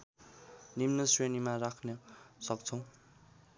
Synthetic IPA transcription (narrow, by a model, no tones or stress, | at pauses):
nimnʌsrenimarakʰnʌsʌk̚t͡sʰʌw̃